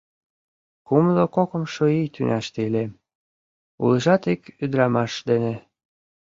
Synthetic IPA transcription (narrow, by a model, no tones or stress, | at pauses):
kumlokokə̆mʃoijt̪ynʔæʃt̪eilem | ṵləʒɑt̪ikyd̪ɾɑmɑʃd̪ene